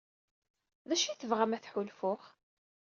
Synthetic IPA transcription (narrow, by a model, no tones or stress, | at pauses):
ðæʃiθəvʁæmæθħʊlfʊχ